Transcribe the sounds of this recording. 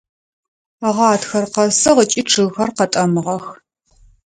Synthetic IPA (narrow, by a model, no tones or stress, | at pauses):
aʁɑːtxɐrqɐsɐʁət͡ʃʼiʈ͡ʂʰɨɣxɐrqɐtʼɐmɨʁɐx